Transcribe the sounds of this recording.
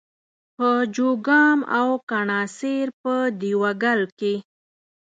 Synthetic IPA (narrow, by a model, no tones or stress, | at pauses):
pəd͡ʒoɡɑmawkaɳɑseɾpəd̪iwaɡalke